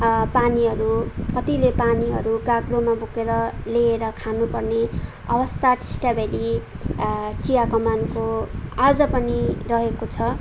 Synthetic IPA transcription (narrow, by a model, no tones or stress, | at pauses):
paniɦʌɾukʌt̪ilepaniɦʌɾuɡaɡlomabukeɾʌleːɾʌkʰanupʌrne | ʌ̰bʌst̪aʈi̥sʈabeli | t͡sijakʌmankoad͡zʌpʌnirʌɦekot͡sʰʌ